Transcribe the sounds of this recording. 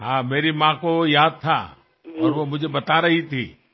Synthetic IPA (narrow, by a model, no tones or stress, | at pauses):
ɦãːmeːɾimãkojaːd̪̚t̪ʰa̰ | ɔːɾʋomʊd͡ʒʱebɐt̪aɾɐɦit̪ʰḭː